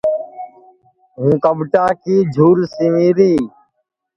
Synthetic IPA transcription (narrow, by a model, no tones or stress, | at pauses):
ɦũːkəbʈaːkiːd͡ʒʱuːɾsɪʋiːɾiː